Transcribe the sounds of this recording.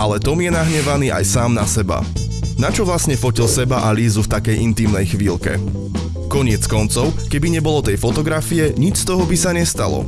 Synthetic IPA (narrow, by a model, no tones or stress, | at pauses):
alɛt̪ɔmjɛnaɦɲɛʋaniːʔa̰jsaːmnasɛba̰ | nat͡ʃɔʋlasɲɛfɔcilsɛbaʔalizuft̪akɛjʔint̪iːmnɛjxʋiːlkɛ̰ | kɔɲɪɛt͡skɔnt͡sɔʊkɛbiɲɛbɔlɔt̪ɛjfɔt̪ɔɡɾafijɛɲit͡ʃst̪ɔɦɔbisaɲɛst̪alɔ̰